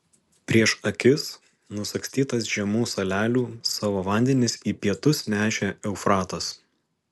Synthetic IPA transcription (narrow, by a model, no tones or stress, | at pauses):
pʲɾʲiɛʃɐkʲɪs | nʊsɐksʲt̪ʲiːt̪ɐs̬ʒʲɛmuːsɐlʲæːlʲuːsɑːʋoːʋɐˑnʲd̪ʲɛnʲɪsiːpʲiɛt̪ʊsnʲæːʃʲeɛʊfɾɑːt̪ɐs